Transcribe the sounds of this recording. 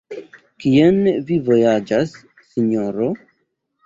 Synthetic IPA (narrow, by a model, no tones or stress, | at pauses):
kienvivo̞jad͡ʒasː | iɲoɾo